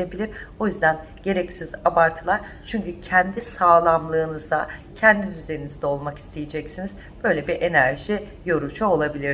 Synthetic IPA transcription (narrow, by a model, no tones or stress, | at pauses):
ebilʲiɾo̞jyzd̪æn | ɟe̞ɾɛcsizabaɾt̪ʰɯlˠaɾ̥ | t͡ʃʰyɲcycʰɛnd̪isaːlˠamlˠɯːnɯzd̪acʰɛnd̪id̪yzeinizd̪ɛo̞lˠmaki̥st̪ʰejed͡ʒɛcsiniz | b̥ø̞jlʲebiʔe̞næɾʒi | jo̞ɾut͡ʃʰuolˠabilʲiɾ